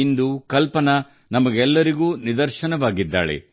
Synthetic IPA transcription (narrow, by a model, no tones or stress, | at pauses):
ind̪ukɐlpɐnɐ | nɐmɐɡɛlːɐɾiɡuːnid̪ɐɾʃɐnɐʋaːɡid̪ːa̰ːɭḛ